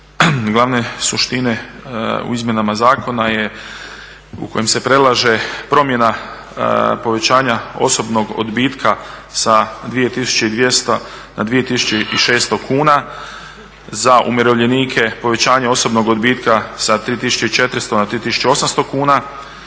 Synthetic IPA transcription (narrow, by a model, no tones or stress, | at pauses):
ɡlˠaʋne̞suʃt̪ine̞ṵizmje̞namazaːko̞naje̞ | ṵkʰo̞jemse̞pɾe̞lˠaʒe̞pɾo̞mje̞na | po̞ʋe̞t͡ɕaːɲao̞̰so̞bno̞ɡo̰d̪biːt̪kʰasad̪ʋije̞t̪isu̥t͡ɕeid̪ʋjest̪o | na̰d̪ʋije̞t̪isu̥t͡ɕeʔiʃe̞ːst̪o̞kʰuːna | zaʔṵmjeɾo̞ʋʎe̞niːkʰe̞po̞ʋe̞t͡ɕaːɲeo̞so̞bno̞ɡod̪biːt̪kasat̪ɾiːt̪isu̥t͡ɕeit͡ʃe̞t̪ɾst̪o̞nat̪ɾiːt̪isu̥t͡ʃeo̞samst̪o̞kuːna